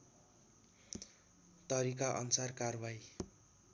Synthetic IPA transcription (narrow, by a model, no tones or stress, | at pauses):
t̪ʌɾikaʔʌ̰nusarkarbaj